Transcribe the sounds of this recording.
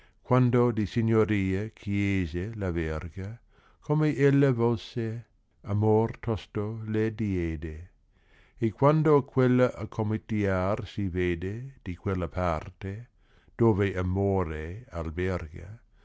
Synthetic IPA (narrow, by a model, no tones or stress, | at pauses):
kwand̪od̪isiɲoɾiːəkʰjeːzelavɛrɡa | kʰomeʔelːavolse | amort̪ʰɔst̪oled̪ieːd̪eː | kwand̪okʰwelːaʔakʰomit̪iarsiveːd̪ed̪̥ikwelːapʰart̪e | d̪̥oːveʔamoːɾealberɡa̰